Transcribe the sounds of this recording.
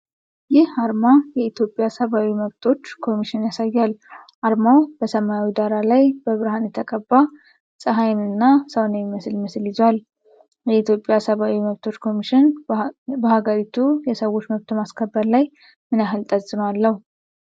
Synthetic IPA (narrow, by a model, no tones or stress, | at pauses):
jɪhaɾmajɛit̪ʰjo̞pʼːjasəβawiməβt̪ʰo̞t͡ʃːkʰo̞miʃɪnjasajːal | ʔaɾmawb̥əsəmaawid̪aɾalajbəβɨɾɨhanjɛt̪ʰəkʼəbːa | sʼəɦajnɨnːasəwnejiməslɪməsɨlɪzal | jɛit̪ʰjo̞pʼːjasəβawiməβt̪ʰo̞t͡ʃːkʰo̞miʃɪn | bəhaɡəɾit̪ʰujɛsəwo̞t͡ʃːməβt̪ʰumaskʰəbːəɾlaj | mɨnaɦɨlt̪ʼəsʼɨmalːəhu